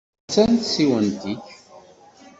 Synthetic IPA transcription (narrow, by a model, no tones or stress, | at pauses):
t͡sːænt̪siwənt̪iç